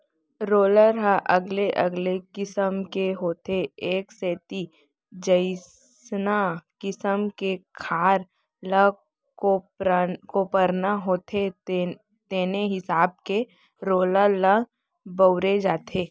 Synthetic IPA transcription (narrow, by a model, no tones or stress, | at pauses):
ɾoːləɾɦaʔɐɡleʔɐɡlekɪsəmkeɦoːt̪eeːkseːt̪i | d͡ʒəɪs | nakɪsəmkekʰaːɾ | lə | ko | ɾkopəɾnaɦoːt̪ʰe | t̪eːneɦɪsaːb̚ke | ɾoːlələ | bəʊɾed͡ʒaːt̪ʰeː